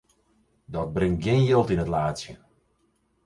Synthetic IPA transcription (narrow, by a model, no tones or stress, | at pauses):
dɔt̚brɪŋt̚ɡjɪnjɪlˠtinətlaːtsjə